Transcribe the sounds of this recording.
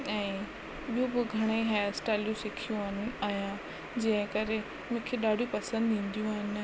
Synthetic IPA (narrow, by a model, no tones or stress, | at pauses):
ɛ̃ː | ɓijũbʊɡʱɐɽ̃eiɦaːjsʈaːljũsɪkʰijũaːnaːjã | d͡ʑɐ̃ɦɪ̃kɐɾe | mʊ̃kʰeɗaːɖʱijũpɐsə̃nd̪ĩːn̆d̪ijũaːɦɪnɪ